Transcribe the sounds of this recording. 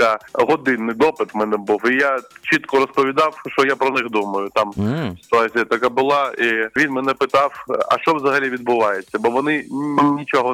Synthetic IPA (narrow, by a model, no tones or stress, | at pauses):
aɦɔd̪ɪnːɪd̪ɔpɪt̪mɛnɛbuwijat͡ʃit̪kɔɾɔspɔʋʲid̪ɑwʃt͡ʃɔjapɾɔnɪxd̪umɐjʊt̪amsʲɪ̥t̪ʊazʲijɐt̪ɐkabʊlˠɑiʋʲinmɛnɛpɪt̪ɑwɐ̰ʃt͡ʃɔʋzɐɦɐlʲiʋʲid̪bʊʋɑjet͡sʲːɐbɔʋɔnɪnʲit͡ʃɔɦɔ